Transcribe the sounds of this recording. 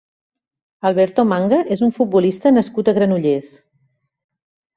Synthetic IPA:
əlˠβɛɾt̪omaŋɡəʔezuɱfut̪̚bulist̪ənəskut̪əɣɾənuʎes

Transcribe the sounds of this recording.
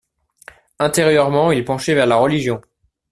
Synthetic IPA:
ɛ̃t̪eʁjœʁmɑ̃ilpɑ̃ʃɛvɛʁlaʁəliʒjɔ̃

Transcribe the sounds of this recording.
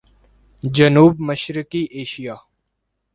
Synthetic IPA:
d͡ʒənuːbməʃɾɪkiːʔeːʃijaː

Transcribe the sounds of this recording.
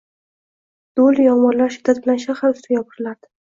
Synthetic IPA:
d̪̥oljɒmɒnlaɾʃɪ̥d̪at̪̚bɪlanʃahaʊst̪ʰajɒpʰɨɾɪlad̪̥ɪ̥

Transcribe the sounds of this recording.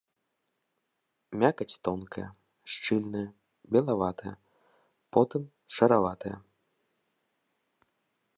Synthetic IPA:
mʲakɐt͡sʲt̪ɔnkɐjɛ | ʂt͡ʂɨlʲnɨjɐ | bʲɛlˠavat̪ɐjɐ̰ | pɔt̪ɨm | ʂɐɾavat̪ɐjɛ̰

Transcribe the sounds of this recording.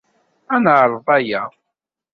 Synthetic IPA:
ænʕɾˤəðˤæjæ

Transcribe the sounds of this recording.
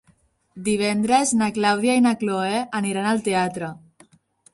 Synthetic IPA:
d̪iβ̞ɛnd̪ɾeznaklawðjainakloeʔaniɾanalˠt̪eat̪ɾə

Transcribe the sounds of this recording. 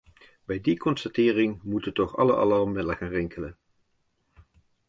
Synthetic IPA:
bɛjdikɔnstɑtɪːrɪŋmutəntɔχɑ̰ləʔɑ̰lɑrmɪdlˠəxanrɪŋkʰələn

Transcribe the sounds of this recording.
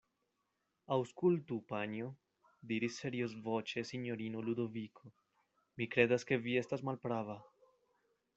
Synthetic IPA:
awskultupaɲo | d̪iɾisːe̞ɾios̬vot͡ʃe̞siɲo̞ɾinolud̪o̞vikʰo | mikɾe̞d̪aske̞vie̞stasmalpɾava

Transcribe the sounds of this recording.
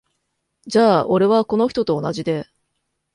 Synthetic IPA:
d͡ʑaːʔo̞ɾe̞β̞ako̞no̞çi̥t̪o̞t̪o̞ːnaʑid̪e̞

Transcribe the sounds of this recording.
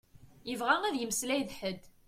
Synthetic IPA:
jəvʁæŋæðjəmslæjðħəd̪

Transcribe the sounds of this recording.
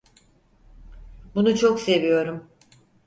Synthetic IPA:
bunut͡ʃʰokse̞vijo̞ɾum

